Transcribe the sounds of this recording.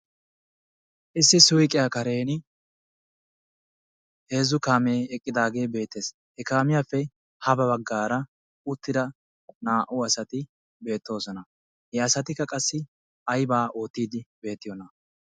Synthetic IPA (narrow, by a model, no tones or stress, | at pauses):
ʔɪsːɪsʊjkʼɪjakɐɾe̞ːnɪ | he̞ːzʊkaːmeːɛkʼːɪd̪aːɡe̞ːbe̞ːt̪ːe̞ːs | hɛkaːmɪjaːfɛ | hɐbɐbɐɡːaːɾɐ | ʊt̪ːɪd̪ɐ | naːʔʊɐsɐt̪ɪ | be̞ːt̪ːo̞ːsɔnɐ | hɛɐsɐt̪ɪkːɐkʼɐsːɪ | ɐjbaːo̞ːt̪ːiːd̪ɪbe̞ːt̪ːɪjɔnɐ